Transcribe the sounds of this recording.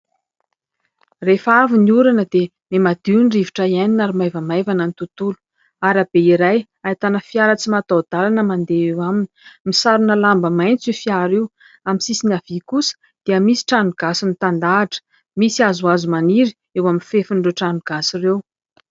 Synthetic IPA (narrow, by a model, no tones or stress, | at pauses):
refaviniuɾanəd̪̥e | memad̪̥inɖ͡ʐiviʈ͡ʂaianinaɾimajvəmajvanənit̪ut̪ulu̥ | aɾabeiɾaj | ait̪anəfiaɾət͡simat̪ad̪̥alanəmand̪eewamini̥misaɾunəlambəmajnt͡sifiaɾew | aminsisinav̥ikusə̥ | d̪̥eəmisi̥ʈ͡ʂanuɡ̥asinit̪and̪aːʈ͡ʂə̥ | misiazuazumaniɾi̥ | ewaminfefiɳɖ͡ʐeʈ͡ʂanuɡ̥asirew